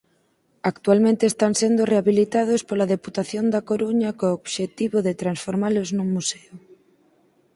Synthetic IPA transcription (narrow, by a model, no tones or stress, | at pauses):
akt̪ualmẽnt̪eːst̪ansend̪oreaβilit̪aðospolaðeput̪aθjond̪akoɾuɲɐkooβʃet̪iβoðet̪ɾansfoɾmaloznuŋmuseʊ